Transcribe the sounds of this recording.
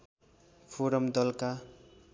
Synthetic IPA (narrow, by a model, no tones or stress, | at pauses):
pʰoɾʌmd̪ʌlka